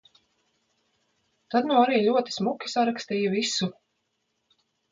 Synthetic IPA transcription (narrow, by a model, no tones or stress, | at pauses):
t̪ad̪naaɾiːlʲuɔt̪i̥smukʲi̥saɾakst̪iːjuvisu